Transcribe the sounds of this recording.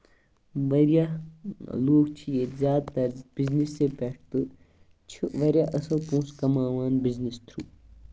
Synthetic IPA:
ʋɐɾjaː | loːɡt͡ʃʰijeːzjaːd̪̚t̪ɐɾzb̥iznisːepɛʈ̚ʰt̪ɨ | t͡ʃʰiʋɐɾʲjaʔɐsɐlpũːskɐmaːʋaːnbɪznist̪ʰɾuː

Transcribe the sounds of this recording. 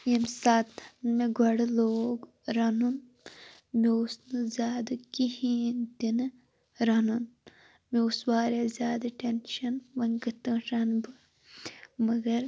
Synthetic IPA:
emsaːt̪ʰmeɡʱɐɽloːɡ | ɾɐnun | meusnɨzʲjaːd̪ɐkihiːnd̪inɨ | ɾɐnun | meusʋaːɾezʲjaːd̪ɐʈenʃɐnʋɐnɡɨt̪ɨ̃ɾɐnbɨ | mɐɡɐɾ

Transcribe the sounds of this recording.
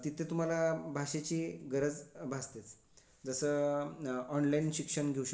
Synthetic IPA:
t̪it̪ʰẽt̪um̤alabʱaɕet͡ɕiːɡəɾəd͡zbʱast̪et͡s | d͡zəsə | ɔnlainɕikʂəɳɡʱeuɕə

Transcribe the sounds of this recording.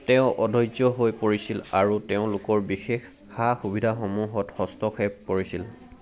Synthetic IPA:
tɛʊ̃ʔɔdʱɔjzɔɦojpoɹisilaɹutɛʊ̃lʊkɔɹbixex | xaxubʱidʱaxomuɦɔthɔstɔxɛp̚koɹisil

